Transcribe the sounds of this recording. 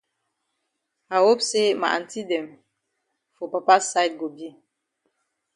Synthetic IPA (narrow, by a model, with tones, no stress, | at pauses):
a˨wo˦pse˦ma̰˨ʔa̰˨n˨ti˦dɛ˨m | fo˨pa˨pa˦sa˦jt̚ɡo˨bi˦